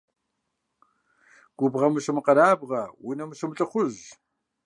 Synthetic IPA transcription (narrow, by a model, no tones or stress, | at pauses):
ɡ̥ʷʊbʁɐmɨɕɨmɨqɐɾaːbʁɐwinɐmɨɕɨmɨɬʼɨχʷʊz